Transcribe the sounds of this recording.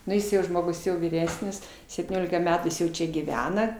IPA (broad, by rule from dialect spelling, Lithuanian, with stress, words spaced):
nʊ ˈjɪs jɛʊ ˈʒmoːɡʊs jɛʊ ʋʲiːˈrʲæːsʲnʲɪs sʲɛpʲtʲiːˈnʲoːlʲɪkɐ ˈmʲæːtuː ˈjɪs jɛʊ ˈt͡ʃʲɛ ɡʲiːˈʋʲæːnɐ